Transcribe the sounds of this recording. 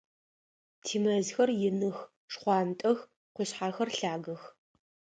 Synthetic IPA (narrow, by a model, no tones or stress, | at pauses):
tʰiːmɐzxɐrjɪnɨx | ʂχʷɑːntʼɐx | qʷʊɕħaːxɐrɬaːɣɐx